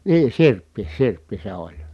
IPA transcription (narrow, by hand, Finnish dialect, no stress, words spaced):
niː sirpːi sirpːi se olʲ